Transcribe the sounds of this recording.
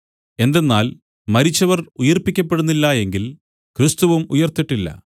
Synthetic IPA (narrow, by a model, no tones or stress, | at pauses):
e̞nd̪e̞nːaːl | mɐɾit͡ɕːɐʋɐrujɐrpːikʲːɐpːe̞ɽunːilːɐe̞ŋɡil | krɨst̪uʋumujɐrt̪iʈːilːɐ̰